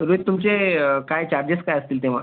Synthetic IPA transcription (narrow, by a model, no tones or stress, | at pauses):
ɾuit̪̚t̪ːumt͡ɕekajt͡ɕaɾd͡ʑet͡skajəst̪iːlt̪eʋ̤a